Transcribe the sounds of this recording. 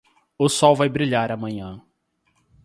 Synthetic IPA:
ʊsɔwvajbɾiʎaɾɐmɐ̃ɲɐ̃

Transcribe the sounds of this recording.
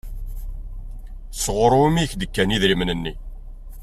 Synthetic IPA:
sʁəɾˤomiçd̪əkːæniðɾimnənːi

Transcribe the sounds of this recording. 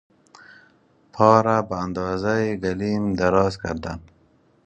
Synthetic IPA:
pʰɑːɾabaːnd̪ɑːzajiɡalimd̪aɾɑzka̰ɾd̪an

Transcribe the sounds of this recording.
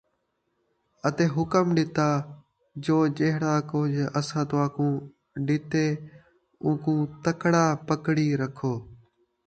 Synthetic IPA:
ət̪eːɦʊkəmɗɪt̪aː | d͡ʒoːd͡ʒeɦɽaːkʊɦd͡ʒəsãːt̪oaːkũː | ɗɪt̪eː | ũːkũːt̪əkɽaːpəkɽiːɾəkʰoː

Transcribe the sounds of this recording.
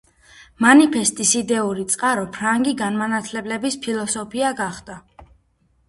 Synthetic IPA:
manipʰɛst̪ʼisid̪ɛuɾit̪sʼqʼaɾɔpʰɾaŋɡiɡanmanat̪ʰlɛblɛbispʰilˠɔsɔpʰiaɡaχd̪̥a

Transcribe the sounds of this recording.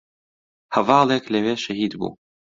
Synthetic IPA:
hɐvɑːlˠeːklɐweːʃɐhiːd̪bṵː

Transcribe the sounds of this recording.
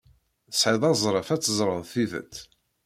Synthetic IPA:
əsħiðˤɑzˤɾˤəfæt͡sːəzˤɾˤənθivə̰t̪ː

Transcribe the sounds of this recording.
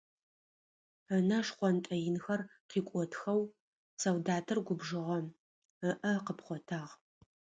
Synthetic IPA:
ənɐʂχʷɔntʼɐjɪnxɐrqiːkʷʼɔtʰxɐw | sɐwdaːtʰɨrɡʷʊbʒɨʁɐ | əʔɐqəpχʷɔtʰaːʁ

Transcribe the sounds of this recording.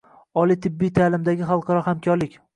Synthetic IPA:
ɒlˠit̪ʰɪbːijt̪ʰalɪmd̪aɡʲɪχɑlˠqʰɑɾɒhamkʲʰɒɾlɪkʲ

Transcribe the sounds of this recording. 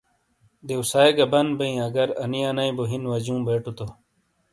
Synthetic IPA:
d̪eusaːeɡɐbɐnbɐĩɐɡɐɾɐnijɐnɐĩboɦinʋɐd͡ʑũːbeːʈut̪o

